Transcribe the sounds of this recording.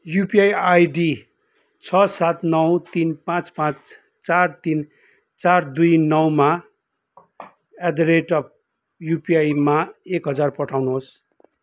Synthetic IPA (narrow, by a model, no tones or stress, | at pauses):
jupiajajɖi | t͡sʰʌsat̪nʌwt̪inpãt͡spãt͡s | t͡sart̪in | t͡sard̪ujnʌwma | ad̪ɾeʈʌp̚ | jupijajmaekɦʌd͡zarpʌʈʰawnuɦos